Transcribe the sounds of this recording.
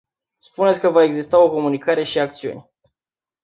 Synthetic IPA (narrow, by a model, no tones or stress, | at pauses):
spunet̪sʲkəvae̞ɡzist̪ao̞ko̞munikaɾe̞ʃiak̚t̪siṵnʲ